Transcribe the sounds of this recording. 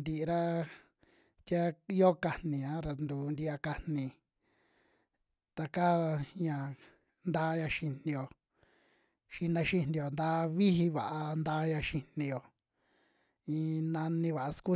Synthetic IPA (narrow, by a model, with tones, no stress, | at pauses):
nd̪i˧˨˧ɾa˦ | t̪ʲja˦i˦o˦ka˧nĩ˨ã˦ɾa˧nd̪u˨nd̪i˧a˧ka˧nĩ˧ | t̪a˧ka˦˧ɲã˨ | nd̪a˦ɲã˧ʃi˧n̥nĩ˧jo˨ | ʃi˧nã˧ʃi˧nĩ˧jo˨nd̪a˦βi˦hi˧βa˨ʔa˧nd̪a˦˧˦ɲã˧ʃi˧nĩ˧jo˨ | ĩ˧nã˧nĩ˧βa˨ʔa˧sku˦